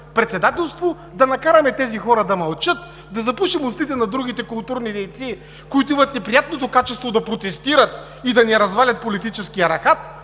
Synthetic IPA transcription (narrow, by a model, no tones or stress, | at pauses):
pɾɛt̪sɛd̪at̪ɛlˠst̪vo | d̪ɐnɐkaɾɐmɛt̪ɛzixɔɾɐd̪ɐmɐlˠt͡ʃɤt̪̚ | d̪ɐzɐpuʃimost̪it̪ɛnɐd̪ɾuɡ̟it̪ɛkʊlˠt̪uɾnid̪ɛjt̪si | koit̪oimɐt̪nɛpɾijat̪̚not̪okat͡ʃɛst̪vod̪ɐpɾot̪ɛst̪iɾət̪ | id̪ɐnɛɾɐzvalʲɐt̪̚polit̪it͡ʃɛskijɐɾɐxat̪